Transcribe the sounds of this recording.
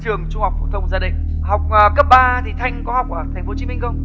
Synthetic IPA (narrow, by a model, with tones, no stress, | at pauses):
t͡ɕɨ˨˩əŋt͡ɕʊ˧ŋ͡mha˨˩wk͡p̚fṵ˧˨˩t̪ʰə˧wŋ͡mzaː˧ɗï˧˨ŋ̟ | ha˨˩wk͡p̚əː˨˩kə˦˥p̚ɓaː˧t̪ʰi˨˩t̪ʰa˧jŋ̟kɔ˨˦ha˨˩wk͡p̚ʔə˧˩t̪ʰɛ˨˩ŋ̟fo˨˦t͡ɕi˨˦mï˧ŋ̟xə˧wŋ͡m